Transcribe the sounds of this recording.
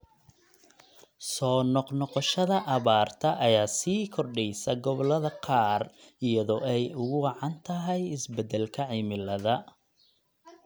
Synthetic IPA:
sɔːnɔqnɔqɔʃɐðɐʔɐβaːrt̪ʰɐʔɐjaːsiːkʰɔrɖɛjsɐɡɔβɔlɐðɐqʰɑːrɪjɐðɔːɛjʊɣʊwɑʕɑnt̪ʰɐɦɛjɪsbɛd̪ɛlkʰɐʕɪmɪlɐðɐ

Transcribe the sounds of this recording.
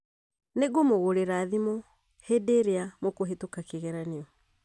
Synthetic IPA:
neɡomoɣoɾeɾaːðimɔ | hedeɾeamokoɦetokakeɣɛɾaneɔ

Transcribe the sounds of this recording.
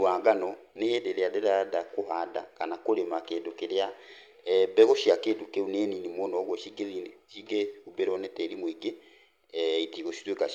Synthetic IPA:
waŋɡanɔnejedeɾeadeɾadakoɦada̰kanakoɾemakeːdokeɾea | bɛɣoʃiakedokeuneːninimɔnɔɣwɔʃiɡeðinʃiɡeobeɾɔnɛtɛɾimwiɡe | itiɣoʃi̥twekaʃ

